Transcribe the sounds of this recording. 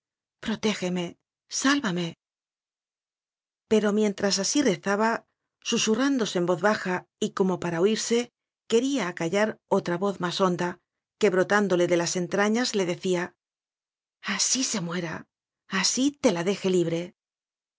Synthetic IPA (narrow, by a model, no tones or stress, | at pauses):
pɾo̞t̪e̞xe̞me̞ | salβame̞ | pe̞ɾo̞mje̞nt̪ɾas̬asire̞θaβa | susurand̪o̞sembo̞ðβaxaiko̞mo̞paɾaoiɾse̞ | ke̞ɾiaːkaʎaɾo̞t̪ɾaβo̞θmaso̞nd̪a | ke̞βɾo̞t̪and̪o̞le̞ðe̞lase̞nt̪ɾaɲazle̞ðe̞θia | asise̞mwe̞ɾa̰ | asit̪e̞laðe̞xe̞liβɾe̞